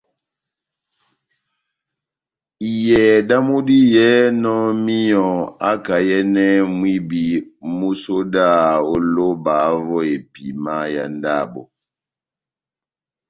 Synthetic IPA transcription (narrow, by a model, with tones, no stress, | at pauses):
i˨jɛ˨da˦mu˦di˦jɛ˦nɔ˦mi˦jɔ̃˨a˦ka˨jɛ˦nɛ˦mwi˦bi˨mu˦so˦da˦˨o˦lo˦ba˨˦vɔ˦e˨pḭ˨ma˦ja̰˨n˦da˦˨bɔ̰˨